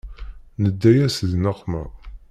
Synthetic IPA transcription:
nəd̪ːæjæsðnəqːmæ̰

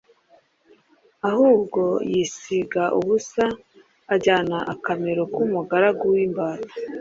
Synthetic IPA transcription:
ahuːbɡo̞jisiɡaʔuβusaː | ɟaːnaʔakameɾokumuɡaɾaɡuwimbaːɾa

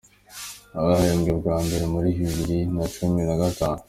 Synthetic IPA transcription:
aɡahajomɡoɾɡwaːmbeɾemuɾiɦiβiɾinat͡ʃuminaɡataːnu

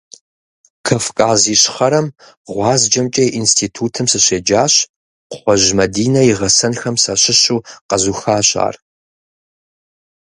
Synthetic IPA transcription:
kʰɐfkʼaːziːɕχɐɾɐm | ʁʷɑːzd͡ʒɐmt͡ʃʼɐʔinstʰiːtʰuːtʰɨmsɨɕeːd͡ʒaːɕ | χʷɔʑmɐdiːnɐjiʁɐsɐnxɐmsaɕɪɕuːqɐzuːxaːɕʼa̰ːr

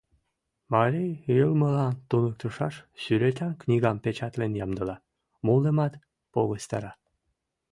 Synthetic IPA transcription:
mɑɾijjəlməlɑnt̪unək̚t̪əʃɑʃsyɾet̪ʲɑnknʲiɣɑmpet͡ɕɑt̪lenjɑmd̪ə̆lɑ | molemɑt̪ | poɣəst̪ɑɾɑ

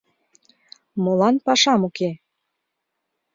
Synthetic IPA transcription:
molɑnpɑʃɑmuke

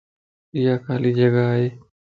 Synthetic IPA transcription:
ɪjaːkaːliːd͡ʒəɡaɦeː

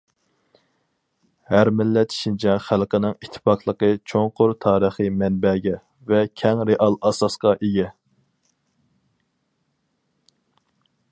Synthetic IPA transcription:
hæɾmɪlːɛt̪ʰi̥ʃint͡ʃʰɛχælˠqənɪŋit̪ʰːɪ̥pɑqʰlˠəqət͡ʃʰoŋqʰʊɾt̪ʰɑːɾəχimɛnbɛɡʲɛ | vɛkʲʰɛŋɾeʔɑlˠɑsɑsqɑʔeɡʲɛ

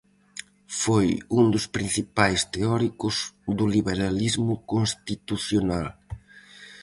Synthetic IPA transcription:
fojund̪ʊspɾin̟θipajst̪eɔɾikʊzðʊliβeɾalizmʊkonst̪it̪uθjonal

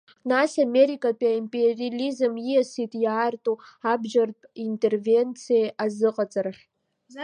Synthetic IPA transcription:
nasameɾikʼapʼiaimpʼerilizɨmjijasitʼjaːrtʼuabʒartʼintʼe̞rve̞nt͡sʰijeʔazɨqʼat͡sʼarχʲ

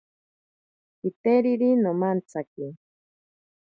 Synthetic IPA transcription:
it̪eɾiɾinomant͡saki

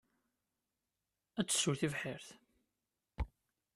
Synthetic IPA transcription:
æt͡sːə̥sːʊɾθivħɪɾθ

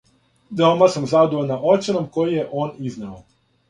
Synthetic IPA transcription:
d̪omasamzad̪oʋonaʔot͡ʃenomkojijeʔoːniznao

